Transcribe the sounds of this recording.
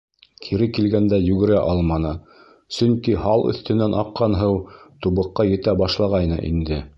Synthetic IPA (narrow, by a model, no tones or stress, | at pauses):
kʰiɾɘkilɡænd̪æjʉɡɘ̆ɾæʔɑlˠmɑnɤ | sɵŋkihɑlˠɵ̰̆θt̪ɘ̆nænʔɑqːɑnɦɤwt̪uβɤ̆qːɑjɘ̆t̪æbɑʃlˠɑʁɑjnɤ̰ʔḭnd̪ɘ